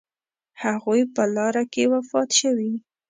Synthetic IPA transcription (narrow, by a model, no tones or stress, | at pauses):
haɣujpəlɑɾakewafɑt̪ʃəwi